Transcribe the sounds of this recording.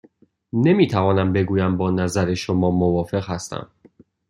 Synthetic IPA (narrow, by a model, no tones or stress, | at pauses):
ne̞miːt̪ʰævɒːnæmbe̞ɡuːjæmbɒːnæzæɾeʃomɒːmovɒːfe̞ɣhæst̪æ̰m